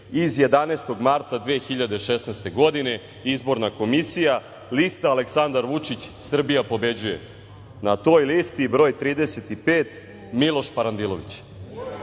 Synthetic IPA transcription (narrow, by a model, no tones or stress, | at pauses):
izje̞d̪anest̪o̞ɡmaɾt̪ad̪ʋeːxiʎad̪eʃesnast̪e̞ɡo̞d̪ine̞ | izbo̞ɾnako̞misija | list̪aːleksand̪aɾʋut͡ʂit͡ɕsr̩bijapo̞be̞d͡ʑujḛ | nat̪o̞ːjlist̪ibɾo̞ːjt̪ɾiːd̪ese̞t̪ipeːt̪ | milˠo̞ʃpaɾand̪ilˠo̞ʋit͡ɕ